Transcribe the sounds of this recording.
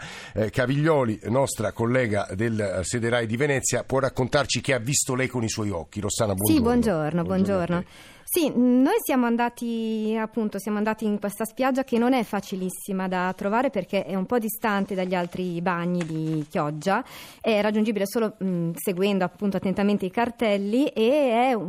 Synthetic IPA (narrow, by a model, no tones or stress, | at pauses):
kaviʎːɔːlinɔst̪ɾakolːɛːɡa̰d̪elsed̪eɾajd̪ivenɛt̪sːjapwɔrːakːont̪art͡ʃik̟eavːist̪olɛjkoniswɔjɔk̟ːiɾosaːnabwɔsibwɔnd͡ʒornobwɔnd͡ʒorno | sinojsjaːmoand̪aːt̪iapːunt̪osjaːmoand̪aːt̪iːŋkwest̪aspjad͡ʒːakenːonɛfːat͡ʃilisːimad̪at̪ɾovaːɾeperkeʔɛumpɔd̪ist̪ant̪ed̪aʎːialt̪ɾibaɲːid̪ik̟jɔd͡ʒːaɛrːad͡ʒːund͡ʒiːbilesoːloseɡwɛnd̪oapːunt̪oat̪ːent̪ament̪eikart̪ɛlːiʔeɛ